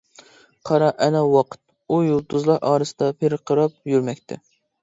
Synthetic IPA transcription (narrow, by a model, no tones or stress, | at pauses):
qʰɑɾɑʔɛnɛwɑqʰə̥t̪̚ | ujolˠt̪ʰʊzlˠɑɾʔɑːɾɨsɨd̪ɑpʰeɾqʰəɾɑp̚jyɾmɛkʲt̪ʰɪ̰